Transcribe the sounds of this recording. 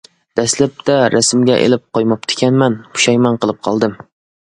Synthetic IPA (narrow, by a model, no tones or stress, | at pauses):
d̪̥ɛslæp̚t̪ʰɛɾæsmɡʲɛʔḛlɪp̚qʰojmɑp̚t̪ʰɪ̥kʲɛnmɛnʰu̥ʃɛjmɑnqəlˠɨp̚qʰɑlˠd̪ɨm